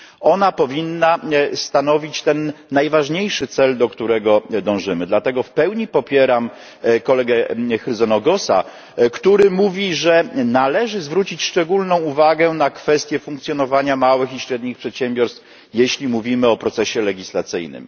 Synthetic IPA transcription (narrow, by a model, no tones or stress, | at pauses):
ɔnapɔvʲinːast̪anɔvʲit͡ɕt̪ɛnːajvaʐɲejʂɘt̪sɛld̪ɔkt̪uɾɛɡɔd̪ɔ̃w̃ʐɘmɘd̪lat̪ɛɡɔfpɛwɲipɔpʲjɛɾam | kɔlɛɡɛxɾɘzɔnɔɡɔsa̰ | kt̪uɾɘmuvʲiʐɛnalɛʐɘzvɾut͡ɕit͡ɕʂt͡ʂɛɡulnɔ̃w̃uvaɡɛnakfɛst̪ʲjɛfuŋkt̪sʲjɔnɔvaɲamawɘxiɕɾɛd̪ɲixpʂɛt̪ɕɛmbʲɔɾst̪f | jeɕlʲimuvʲimɘɔpɾɔt̪sɛɕɛlɛɡʲislat̪sɘ̰jnɘ̰m